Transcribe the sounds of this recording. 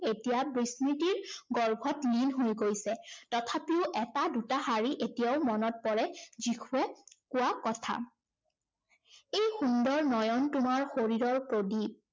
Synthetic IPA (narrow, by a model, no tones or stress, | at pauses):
etijabɹismitiɹɡɔlbʱɔtlinɦojɡojsɛtɔtʰapiʊʔɛtadutahaɹiʔetijaʊmɔnɔt̚pɔɹɛzikʰuɛkʊwakɔtʰa̰ | ejxundɔɹnɔjɔntʊmaɹxoɹiɹɔɹpɹodib̚